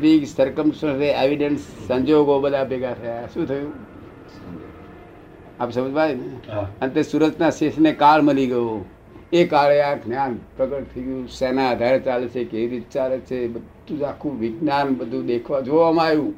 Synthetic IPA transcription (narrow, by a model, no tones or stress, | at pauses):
ɾiksəɾkəmsəseeʋiɖənsːə̃ɲd͡ʒoɡobəd̪ʱabʱeɡat̪ʰəjaʃũt̪ʰəjũ | apsəməd͡ʒʋaineənt̪esuɾəkt͡ʃʰnasesnekalməliɡəjo | ekaɭeaɡnjanpɾəkəʈ̚t̪ʰəiɡjũsɛnaəd̪ʱaɾt͡ʃalet͡ʃʰekeʋiɾit̪̚t͡ʃalet͡ʃʰebəd̪ʱũd͡ʒakʰũʋɪɡnanbəd̪ʱũd̪ekʰʋad͡ʒoʋamajũ